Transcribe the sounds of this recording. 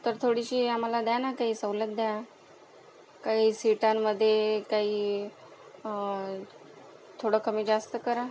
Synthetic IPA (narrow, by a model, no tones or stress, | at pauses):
t̪əɾt̪ʰoɽiɕiːam̤alad̪janakaɦiːsəwlət̪̚d̪ja | kaɦiːsiʈamːəd̪ʱːjekaɦiː | t̪ʰoɽəkəmiːd͡zast̪əkəɾa